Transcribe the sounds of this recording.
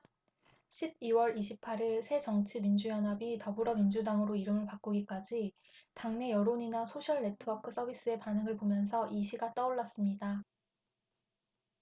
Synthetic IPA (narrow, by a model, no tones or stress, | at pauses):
ɕʰib̚iwʌɾiɕʰipʰaɾiɭsʰe̞t͡ɕʌŋt͡ɕʰimind͡ʑujʌnɦabitʌbuɾʌmind͡ʑudaŋɯɾoiɾɯmɯɭpak͈uɡik͈ad͡ʑi | taŋne̞jʌɾoɲinasʰoɕʰʌɭːe̞tʰɯwʌkʰɯs͈ʌbʱis͈ɯe̞panɯŋɯɭpomjʌnsʰʌʔiɕʰiɡat͈ʌoɭːas͈ɯmɲida